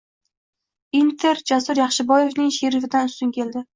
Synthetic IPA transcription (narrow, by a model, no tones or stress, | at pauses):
int̪ʰe̞ɾd͡ʒasʊɾjɑχʃɪbɒje̞vnɪŋʃeɾɪfɪd̪anʊst̪ʊnkʲʰe̞ld̪ɪ